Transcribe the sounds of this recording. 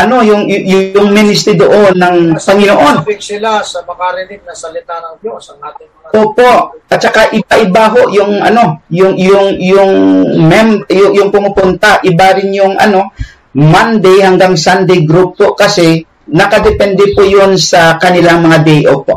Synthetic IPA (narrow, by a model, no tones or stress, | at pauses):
ʔɐno̞jʊŋjʊʊŋminɪst̪ɾid̪oʔo̞nːɐŋpɐŋɪnoʔo̞nbɪsɪlasɐmɐŋaɾɪnɪb̚nɐsɐlɪt̪anɐŋdosɐŋaɪ | ʔoːpo̞ʔʔɐt̪̚t͡ʃɐkaʔɪbaʔɪbaɦoʔjʊŋʔɐ̰no̞jʊŋjʊŋjʊŋmɛmbjʊjʊŋpʊmʊpʊnt̪ɐʔɪbaɾɪnjʊŋʔɐ̰no̞ | mand̪ɛjhɐŋɡaŋsand̪ɛjɡɾupːoʔkɐsɛ | nɐkɐd̪ɛpɛnd̪ɛpojonsɐkɐnɪlaŋmɐŋad̪ɛjʔopoʔ